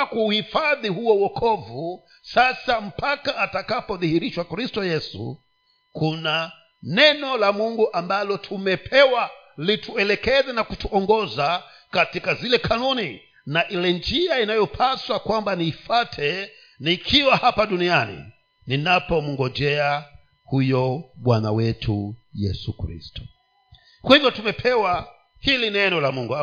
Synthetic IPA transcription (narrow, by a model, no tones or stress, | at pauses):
kuːhifaðihuɔwɔkʰɔvu | sasam̩pakaʔːtakapɔðihiɾiʃwakɾistɔjɛsṵ | kuna | nɛnɔlamuŋɡuʔambalɔtʰumɛpʰɛwa | litʰuɛlɛkɛzɛnakutuɔŋɡɔza | katikazilɛkʰanuni | naʔilɛnd͡ʒiainajɔpʰaswakwambaniːfatʰɛ | naikʰiwahapaɗunianḭ | ninapɔmuŋɡɔd͡ʒɛa | hujɔɓwana̰wɛtʰujɛ̰sukɾḭstu̥ | kwahivjɔtumɛpʰɛwa | hilinɛnɔlamuŋɡu